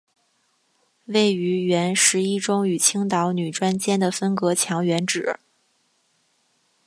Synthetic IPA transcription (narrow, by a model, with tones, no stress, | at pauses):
we˥˩ɪy˧˥ɥɛ˧˥nʂɻ̩˧˥i˥ʈ͡ʂʊ˥ŋy˨˩t͡ɕʰi˥ŋt̪ɑ˧˥ʊny˨˩ʈ͡ʂwa˥nt͡ɕjɛ˥nd̪ə˨fə˥nkɤ˧˥t͡ɕʰjɑ˧˥ŋɥɛ˧˥nʈ͡ʂɻ̩˨˩˦